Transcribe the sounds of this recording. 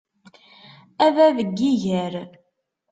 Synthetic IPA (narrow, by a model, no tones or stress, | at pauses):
ævæðəɡːiʝəɾ